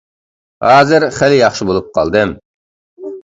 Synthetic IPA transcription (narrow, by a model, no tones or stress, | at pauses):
hɑːzɨɾχælɪjɑχʃɨbolˠup̚qʰɑ̰lˠd̪ɨm